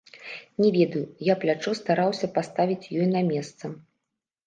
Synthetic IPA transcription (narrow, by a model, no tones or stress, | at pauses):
nʲɛvʲɛd̪ɐjujaplʲat͡ʂɔst̪aɾawsʲɐpast̪avʲit͡sʲjɔjnɐmʲɛst̪sɐ